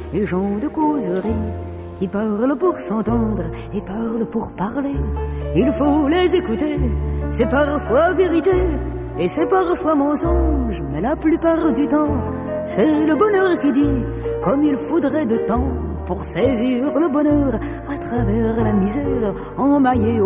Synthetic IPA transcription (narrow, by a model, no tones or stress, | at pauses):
eʒɑ̃d̪əkozʁi | kʲipaʁləpuʁsɑ̃t̪ɑ̃d̪ʁ | epaʁləpuʁpaʁleilfolezekut̪esɛpaʁfwaveʁit̪e | esɛpaʁfwamɑ̃sɔ̃ʒmɛlaplypaʁd̪yt̪ɑ̃ | sɛləbɔnœʁkid̪i | kɔmilfod̪ʁɛd̪ət̪ɑ̃ | puʁsɛziʁləbɔnœʁ | at̪χavɛʁlamizɛʁ | ɑ̃maje